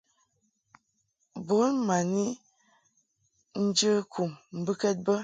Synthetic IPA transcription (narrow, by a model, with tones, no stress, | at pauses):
bo˨˦nma˨ni˦ | n̩˦d͡ʒə˦kʰu˨mm̩˨bɨ˦kɛ˦t̚bə˦